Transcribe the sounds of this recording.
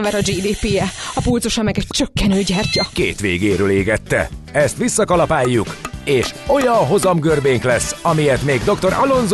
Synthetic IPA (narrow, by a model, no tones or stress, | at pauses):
vɛɾɒd͡ʒiːd̪iːpijɛɒpult̪zoʃɒmɛɡɛct͡ʃøkːɛnøːɟɛrcɒkḛːt̪ʋeːɡeːɾøːleːɡɛt̪ːɛ̰ɛst̪ʋisːɒkɒlɒpaːjːukeːʃo̞jɒnɦo̞zɒmɡørbeːŋklɛsːɒmijɛt̪meːɡd̪o̞k̚t̪o̞ɾɒlo̞nz